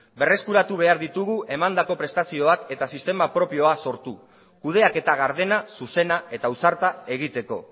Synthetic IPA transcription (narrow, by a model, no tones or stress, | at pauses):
be̞re̞skuɾat̪uβ̞e̞aɾðit̪uɣ̞uʔe̞mand̪ako̞pɾe̞st̪asio̞ake̞t̪asist̪e̞mapɾo̞pio̞aso̞ɾt̪u | kuðe̞ake̞t̪aɣ̞aɾðe̞nasuse̞nae̞t̪ausaɾt̪ae̞ɣ̞it̪e̞ko̞̰